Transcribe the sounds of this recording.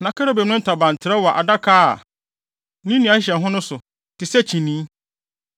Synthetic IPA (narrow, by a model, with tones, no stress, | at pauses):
nã˨kʰa˦ɾo˦be˨mnʊ̃˦n̩˦tʰa˨bã˨n˨tʰɪ˨ɾɛ˦wɔ˨ʔa˨da˦kʰaː˦a̰˨ | nĩ˦nĩ˨a˨˦ɕ̬ɛ̃˨nɦʊ̃˦nʊ̃˦sʊ˨ | tɪ˨sɛ˦t͡ɕʰĩ˨nĩː˦